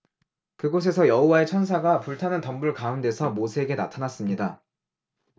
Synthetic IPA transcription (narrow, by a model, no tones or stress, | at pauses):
kɯɡos̬ʰe̞sʰʌjʌɦowae̞t͡ɕʰʌns̬ʰaɡapuɭtʰanɯntʌmbuɭkaunde̞sʰʌmosʰe̞ɡena̰tʰanas͈ɯmɲida